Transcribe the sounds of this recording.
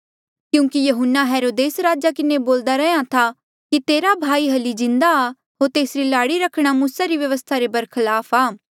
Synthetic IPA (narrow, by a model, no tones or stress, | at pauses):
kjũːkijɐɦʊnːaɦɛːɾoːd̪eːsɾaːd͡ʒakɪneboːld̪aɾɛɦjãt̪ʰa | kit̪eːɾabʱaːiɦɐlid͡ʒɪ̃nd̪aː | ɦoːɾt̪eːsɾilaːɽiɾɐkʰɽ̃amuːsaɾiʋjɐʋəst̪ʰaɾebɐɾkʰɐlaːpʰaː